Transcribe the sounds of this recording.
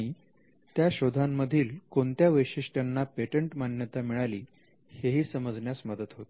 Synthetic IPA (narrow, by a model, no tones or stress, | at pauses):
i | t̪jaɕod̪ʱamːəd̪ʱiːlkoɳt̪jaʋəjʂiʂʈanːapeʈəɳʈmanjət̪amiɭaliː | heɦiːsəməd͡zɳjasməd̪ət̪ɦot̪